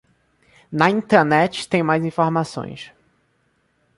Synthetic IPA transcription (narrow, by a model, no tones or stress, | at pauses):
nɐĩnt̪eɾnɛt͡ʃɪ̥t̪ẽj̃majzĩfoɾmasõ̰j̃s